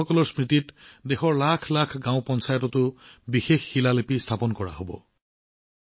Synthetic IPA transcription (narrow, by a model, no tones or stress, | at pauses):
ɔkɔlɔɹspɹititdexɔɹlakʰlakʰɡãʊ̃pɔnsajɔtɔtʊbixexːilalepistʰapɔnkɔɹa̰ɦobɔ̰